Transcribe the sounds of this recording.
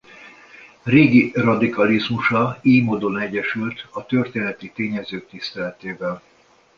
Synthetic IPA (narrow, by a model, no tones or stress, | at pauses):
reːɡirɒd̪ikɒlizmuʃɒiːmoːd̪o̞nɛɟɛʃylt̪ɒt̪ø̞rt̪eːnɛt̪it̪eːɲɛzøːk̚t̪ist̪ɛlɛt̪eːvɛl